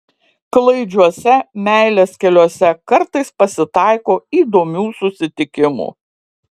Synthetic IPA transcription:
klˠɐɪd͡ʒʲuɔsʲɛmʲæɪlʲɛːskʲɛlʲuɔsʲɛkɐɾt̪ɐɪspɐsʲɪt̪ɑˑɪkoːiːd̪oːmʲuːsʊsʲɪt̪ʲɪkʲɪmṵː

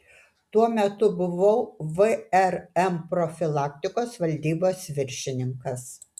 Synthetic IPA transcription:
t̪uɔmʲɛt̪ʊbʊʋɐʊʋɨɛɾɛmpɾofʲɪlˠɑːkt̪ʲɪkoːsʋɐlʲd̪ʲiːboːsʋʲɪɾʲʃʲɪnʲɪŋkɐs

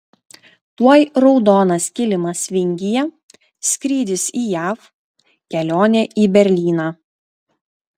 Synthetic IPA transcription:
t̪uɔjɾɔʊd̪oːnɐskʲɪlʲɪmɐsʋʲɪŋʲɡʲɪjɛ | sʲkɾʲiːd̪ʲɪsiːjæːf | kʲɛlʲoːnʲɛːʔiːbʲɛɾʲlʲiːnɑː

